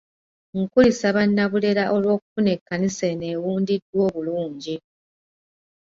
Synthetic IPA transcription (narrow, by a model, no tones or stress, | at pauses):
ŋkulisaβanːaβule̞ɾaʔo̞lwo̞ːku̥fune̞kːanise̞ne̞ːwuːndidwo̞ːβuluːɲɟi